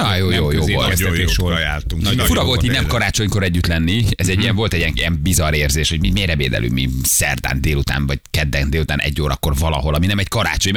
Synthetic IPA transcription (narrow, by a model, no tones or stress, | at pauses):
ɒjoːjoːjoːolt̪ɛeʃojaːlt̪uŋfuɾɒvo̞lt̪iːnɛmkɒɾaːt͡ʃo̞ɲkoɾɛɟːyt̪lɛnːiɛzɛɟːiɛɱvo̞lt̪ɛɟiɛŋiɛmbizɒɾeːrzeːʃhoɟmimeːrɛvḛːd̪ɛ̰lʔy̰ːmḭsɛ̰rd̪a̰ːnd̪eːlut̪a̰ːnvɒckɛd̪ːɛnd̪eːlut̪aːnɛ̰ɟːoːɾʔɒ̰kːo̞rvɒlɒ̰ɦo̞lɒminɛmɛckɒɾa̰ːt͡ʃo̞ɲ